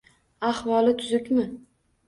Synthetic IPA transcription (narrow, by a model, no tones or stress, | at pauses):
ahwɒlˠɪt̪ʰʊzʊkʲmɪ